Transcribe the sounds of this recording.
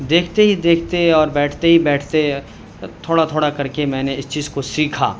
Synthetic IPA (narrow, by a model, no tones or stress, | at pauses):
d̪eːkʰt̪eɦid̪eːkʰt̪eɔːɾbɛːʈʰt̪eɦibɛːʈʰt̪e | t̪ʰoːɽat̪ʰoːɽakɐɾkemɛ̃ːneɪst͡ʃiːzkosiːkʰa̰ː